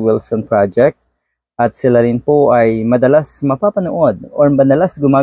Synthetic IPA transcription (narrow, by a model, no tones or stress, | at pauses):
wɪlsɔnpɹad͡ʒɛk̚t̪̚ | ʔɐt̪̚sɪlaɾɪnpoʔɐjmɐd̪ɐlasmɐpaːpɐnoʔod̪̚ɔɹmɐd̪ɐlasɡʊmaː